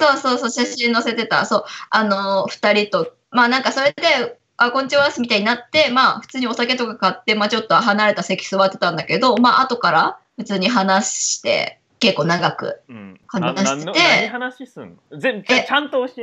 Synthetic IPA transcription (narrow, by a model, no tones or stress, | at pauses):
so̞ːso̞ːso̞ːɕaɕĩno̞se̞t̪e̞t̪a̰so̞ːanoɸɯ̟̥t̪aɾʲit̪o̞ | maːnãŋkaso̞ɾe̞d̪e̞ | akõɲ̟t͡ɕioasɨmʲit̪aiɲ̟inat̪ːe̞maːɸɯ̟̥t͡sɨːɲ̟io̞sake̞t̪o̞kakat̪ːe̞maːt͡ɕo̞t̪ːoaɦanaɾe̞t̪asekʲi̥sɨoβat̪ːe̞t̪ãnd̪ake̞d̪o̞maʔat̪o̞kaɾaɸɯ̟t͡sɨːɲ̟iɦanaɕi̥t̪e̞̰ | ke̞kːo̞ːnaɡakɯ̟̰hanaɕi̥t̪e̞hanaɕisɨ̰n | ẽet͡ɕãnt̪oːɕe